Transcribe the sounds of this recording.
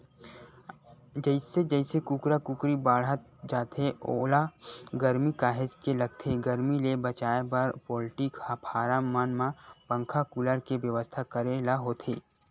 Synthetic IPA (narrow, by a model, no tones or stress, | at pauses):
d͡ʒəɪsed͡ʒəɪsekukɾakukɾibaːɽ̤ət̪̚d͡ʒaːt̪eoːlaɡəɾmikaːɦɪd͡ʒkelɐɡ̚t̪ʰeɡəɾmilebət͡ʃaːepəɾpɔːlɪʈɪkɐpʰaːɾamaːnmãpə̃ŋkʰakuləɾkeʋjəʋəst̪ʰakəɾelaɦoːt̪ʰeː